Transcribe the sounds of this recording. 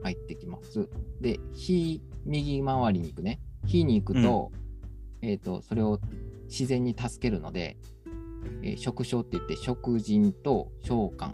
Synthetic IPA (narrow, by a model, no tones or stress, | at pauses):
hait̪ːe̞kʲima̰sɨd̪e̞çimʲiɡʲimaβaɾʲiɲ̟iːkɯ̟ne̞çiɲ̟iːkɯ̟t̪o̞̰ | e̞ːt̪ːo̞̰so̞ɾe̞o̞ | ɕizẽ̞ɲ̟ːit̪asɨ̥ke̞ɾɯ̟no̞̰d̪e̞̰ | ḛɕo̞kɯ̟ɕo̞ːt̪ːeit̪ːe̞ɕo̞kɯ̟ʑĩnt̪o̞ɕo̞ːkã̰ŋ